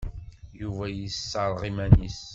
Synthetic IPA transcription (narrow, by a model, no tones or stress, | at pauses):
juvæjəsːəɾˤʁimænis